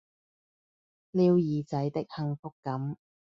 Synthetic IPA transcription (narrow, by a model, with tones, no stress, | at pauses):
liː˧wjiː˨˧t͡sɐ˨˥jt̪ɪ˥k̚hɐ˧ŋfʊ˥kːɐ˨˥m